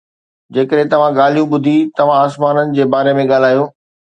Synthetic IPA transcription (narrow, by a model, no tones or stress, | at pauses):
d͡ʑeːkəɗɦẽt̪ɐʋ̤ãɠaːl̤ijũɓʊd̪ʱit̪ɐʋ̤ãaːsmaːnənɪ̆d͡ʑeːbaːɾemẽɠaːl̤aːjõː